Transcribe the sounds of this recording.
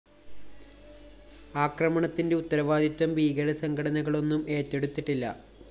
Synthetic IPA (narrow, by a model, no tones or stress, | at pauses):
aːkrɐmɐɳɐt̪ːinde̞ut̪ːɐɾɐʋaːd̪ʱit̪ːwɐmʋiːɣɐɾɐsɐŋkʰɐɽɐnɐɣɐɭo̞nːume̞ːtːe̞ɽut̪ːiʈːilːɐ̰